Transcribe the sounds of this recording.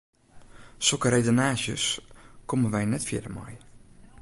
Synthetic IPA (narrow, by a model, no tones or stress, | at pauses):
sɔkəɾejdənaːzjəskoməʋɛjnɛtfjɪ̰dəma̰j